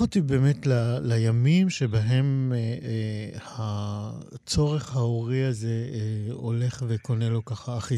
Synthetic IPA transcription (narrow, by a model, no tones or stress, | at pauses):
otibe̞ːmetlalajamimʃe̞baɦe̞m | ha | t͡so̞ʁe̞χhaoʁiaze̞o̞le̞χveko̞ne̞lo̞kaχaːχi